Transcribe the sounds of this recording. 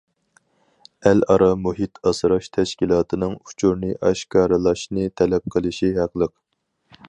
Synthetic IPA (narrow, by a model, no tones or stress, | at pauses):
ælɑɾɑmuɦit̪ʰɑsɾɑʃt̪ʰɛʃkʲilˠɑːt̪ʰɨnɨŋut͡ʃʰuɾnɨʔɑʃkʰɑːɾɨlˠɑʃnɨt̪ʰɛlɛp̚qʰəlˠɨʃiɦɑqlˠəq̚